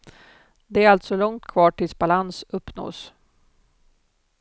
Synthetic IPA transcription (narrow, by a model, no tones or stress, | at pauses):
d̪ɛæɾalt̪sɔlɔŋt̪kʰvɑːʈʰɪlsbalansɵpːno̰ːs